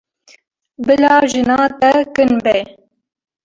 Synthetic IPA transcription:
bɨlɑːʒɨnɑːt̪ɛkɨnbɛ

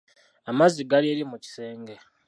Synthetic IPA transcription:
amaziɡalieːɾimuci̥se̞ːŋɡe̞

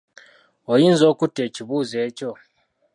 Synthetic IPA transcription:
ojiːnzo̞ːkutie̞ciβuːze̞ːco̞

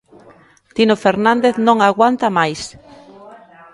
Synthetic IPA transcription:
t̪inofeɾnãnd̪eθnõŋaɣwant̪amajs

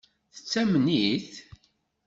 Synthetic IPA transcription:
θə̥t͡sːæmniθ

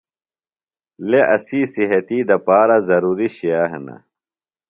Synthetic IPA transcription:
leʔɐsiːsiɦɐt̪iːd̪ɐpaːɾazɐɾuːɾiɕiaːɦɐnɐ̰

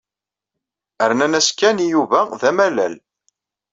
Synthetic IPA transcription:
əɾnænæskːænijuvæðæmælæ̰l

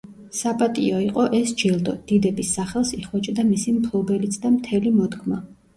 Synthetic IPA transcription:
sapʼat̪ʼiɔiqʼɔʔɛsd͡ʒilˠd̪ɔd̪̥id̪ɛbisːaχɛlˠsiχwɔt͡ʃʼd̪amisimkʰlˠɔbɛlit̪sʰd̪amt̪ʰɛlimɔd̪ɡma

